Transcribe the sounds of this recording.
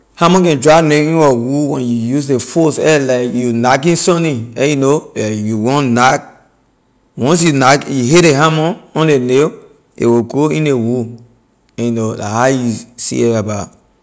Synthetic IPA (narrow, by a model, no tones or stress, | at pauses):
hamɔ̃nkɛ̃ndɹaneĩnwɔwuwɛ̃njujusdefosɛlaɪkjunakĩnsɔ̃nĩɛjunoajuwɔ̃nnak | wɔ̃ns̬junakjuɦeeɦamɔ̃nɔ̃nlene | ḛwiɡoĩnewu | ɛjunola̰hajusḭɛabat